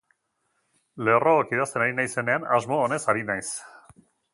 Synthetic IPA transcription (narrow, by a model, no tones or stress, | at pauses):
le̞roːkið̞ast̪e̞naɾinajse̞ne̞anazmo̞ːne̞saɾinajs